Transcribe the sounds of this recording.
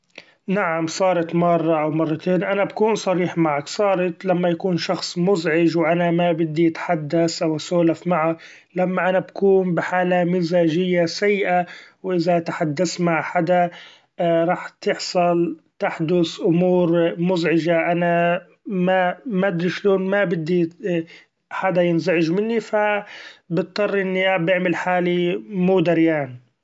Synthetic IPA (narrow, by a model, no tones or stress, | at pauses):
naʕamsˤɑːɾˤɑt̪mɑrˤːɑʔawmɑrˤːɑt̪ʰeːnʔanabakuːnsˤɑɾiːħmaʕaksˤɑːɾˤɑt̪lamːajakuːnʃɑxsˤmʊzʕɪʒwʔanamabɪd̪ːiʔat̪ħad̪ːasʔawasoːlafmaʕa | lamːaʔanabakuːnbɪħaːlamɪzaːʒɪjːasajːɪʔawʔɪzat̪aħad̪ːasmaʕħad̪a | ɾˤɑːħt̪ɪħsˤɑlt̪aħd̪ʊsʔʊmuːɾmʊzʕɪʒaʔana | mamad̪ɾiʃloːnmabɪd̪ːi | ħad̪ajɪnzaʕɪʒmɪnːifabɨt̪̚ˤd̪ˤɑrˤːʔɪnːiʔabʔɪʕmɪlħaːlimuːd̪aɾjaːn